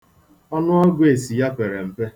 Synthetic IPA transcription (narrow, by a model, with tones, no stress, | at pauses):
ɔ˦nʊ˦ɔ˦ɡʷe˨si˨ja˦pe˨ɾe˨m̩˨pe˦